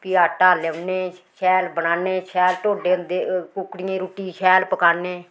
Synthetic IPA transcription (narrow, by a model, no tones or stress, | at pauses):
pɪaːʈaːlɛʋneːʃɛːlbənaːneːʃɛːlʈoːɖeːənd̪eːkʊkɽɪẽːɾuʈːiːʃʰɛːlpəkaːneː